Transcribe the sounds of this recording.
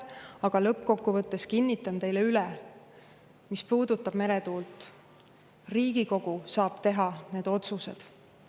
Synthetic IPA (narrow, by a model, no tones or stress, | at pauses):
ɑɡ̥ɑlɤpːko̞kːuvɤt̪ˑːe̞skinʲːit̪ːˑɑnt̪e̞jleylɛ | mispuːd̪ut̪ːˑɑb̥me̞ɾet̪uːlt̪ːˑ | riːɡiko̞ɡ̥usɑːb̥t̪e̞ɦɑne̞ːd̪̥o̞t̪suse̞̰d̪̥